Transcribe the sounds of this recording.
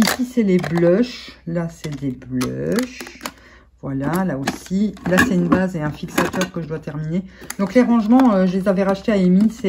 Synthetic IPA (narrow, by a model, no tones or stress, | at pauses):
isisɛleblɔʃlasɛd̪eblœ̰ʃ | vwalalaosilasɛynbazeɛ̃fiksat̪œʁkəʒəd̪wat̪ɛʁmined̪ɔ̃kleʁɑ̃ʒmɑ̃øʒəlezavɛʁaʃt̪eaemisɛ